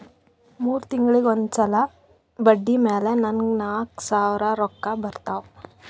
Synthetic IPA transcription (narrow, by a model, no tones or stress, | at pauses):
muːɾut̪iŋɡɐɭiɡond̪sɐla | bɐɖːimeːlenɐnɡnaːksaːʋɾɐɾɔkːɐbɐɾt̪aw